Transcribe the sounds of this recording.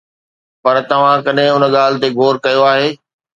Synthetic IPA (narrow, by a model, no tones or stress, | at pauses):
pɐɾt̪ɐʋ̤ãkɐɗɦɪ̃ʊnəɠaːlɪt̪eɡʱoːɾkɐjoaːɦeː